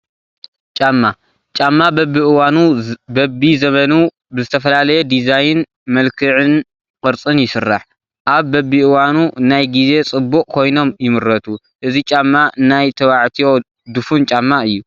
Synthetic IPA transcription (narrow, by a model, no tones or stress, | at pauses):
t͡ʃʼamːa | t͡ʃʼamːabɐbːiʔɨwanubɐbizɐmɐnu | bɨzɨt̪ʰɐfɐlalɐjɛd̪izajɨn | mɐlkʰɨʕɨn | kʼɨɾt͡sʼɨnjɪsɨrːa̰ħ | ʔaβːɐbiʔɨwanunajɡize̞t͡sʼɨbːukʼkʰo̞jno̞mjɪmɨɾːɐt̪ʰu | ʔɨzit͡ʃʼamːaɨnajt̪ʰɐwaʕt̪ʰijo̞ | d̪ɨfunt͡ʃʼamːaɨjːu